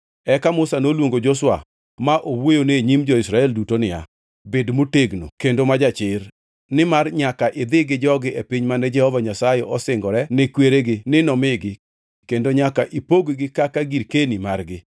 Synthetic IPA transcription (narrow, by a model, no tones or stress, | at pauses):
ɛkamʊsanolwoŋɡod͡ʒoswa̰ | maʔowwojoneɲimd͡ʒɔisɾaɛldutonɪja̰ | bedmoteɡno̰kendomad͡ʒat͡ʃɪr | nɪmarɲakaʔɪd̪ɪɡɪd͡ʒɔɡɪepiɲmanɛd͡ʒɛhɔvaɲasajɛʔɔsɪŋɡɔɾɛnɪkweɾeɡɪnɪnɔmɪɡɪ | kendoɲakaʔipoɡɡɪkakaɡiɾkenimarɡɪ